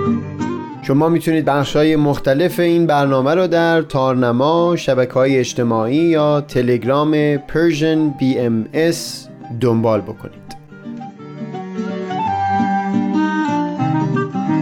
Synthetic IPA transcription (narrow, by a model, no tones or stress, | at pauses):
ʃo̞mɒːmiːt̪ʰuniːd̪̚bæχʃhɒːjemoxt̪ʰæle̞fe̞iːnbæɾnɒːmæɾɔːd̪æɾt̪ʰɒːɾnæmɒːʃæbæcʰehɒːjeːt͡ʃt̪ʰe̞mɒːʔiːjɒːt̪ʰe̞le̞ɡɾɒːme̞pʰeɾʒenbiːemes | d̪ombɒːlbo̞kʰo̞̰niːd̪̥